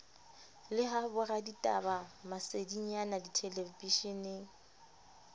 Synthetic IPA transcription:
lɪɦabʊraditʼa̰bamasediɲanaditʰelepiʃɪnɪ

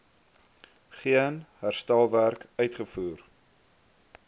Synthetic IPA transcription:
χiənɦærstælˠværkœɥtχəfuːr

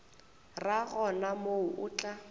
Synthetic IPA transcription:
raɣɔnamoʊʔʊːt͡ɬʼa

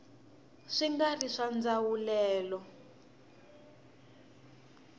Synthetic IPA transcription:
ʂiŋɡariʂand͡zawulɛːlɔ

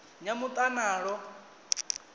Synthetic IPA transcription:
ɲamut̪ʼanaːɺɔ

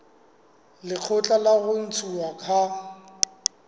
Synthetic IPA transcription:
lɪq͡χʰʊt͡ɬʼalaɣʊn̩t͡sʰʼuakʰa

